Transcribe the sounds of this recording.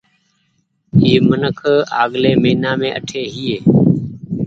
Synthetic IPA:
iːmənəkʰa̰ːɠleːmeːinãːmẽːʔəʈʰeːɦiːeː

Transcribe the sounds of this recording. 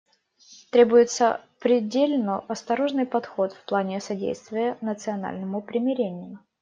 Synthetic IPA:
t̪ɾʲe̞bʊjɪt̪sə̰pɾʲɪdʲelʲnəʔɐst̪ɐɾo̞ʐnɨjpɐt̪xo̞t̪fplˠanʲɪsɐdʲḛjst̪vʲɪjənət̪sɨɐna̰lʲnəmʊpɾʲɪmʲɪɾʲenʲɪjʊ

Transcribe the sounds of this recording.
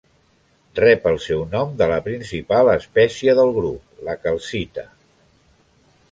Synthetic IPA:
rɛpəlˠsɛwnɔmd̪ələpɾinsipaləspɛsiəðəlˠɣɾup̚ləkəlˠsit̪ə

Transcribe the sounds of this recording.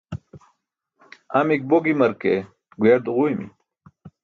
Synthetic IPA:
amik̚boɡimɐɾke | ɡueɾd̪uʁuimḭ

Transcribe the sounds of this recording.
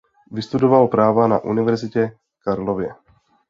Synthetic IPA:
vɪst̪udovalpɾaːvana̰ʔṵnɪvɛɾzɪcɛ | kaɾlovjɛ

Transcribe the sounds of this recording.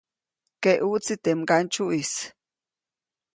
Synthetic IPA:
keʔut͡sit̪emɡant͡ʃuʔis

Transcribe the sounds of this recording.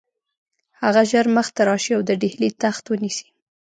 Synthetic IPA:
haɣaʒəɾməxt̪aɾɑʃiawd̪əɖehlit̪axt̪wənisi̥

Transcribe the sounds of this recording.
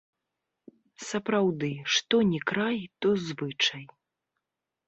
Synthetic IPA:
sɐpɾawd̪ɨʂt̪ɔnʲɛkɾajt̪ɔzvɨt͡ʂɐj

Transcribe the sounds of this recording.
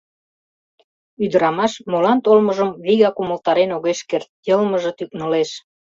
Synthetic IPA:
yd̪ə̆ɾɑmɑʃmolɑnt̪olməʒəmβiɣɑkuməlt̪ɑɾenoɣeʃkert̪̚jɤlməʒɤ̆t̪yk̚nə̆leʃ

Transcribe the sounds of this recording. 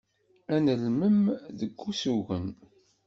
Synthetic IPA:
ænəlməmðəɡːusuɣən

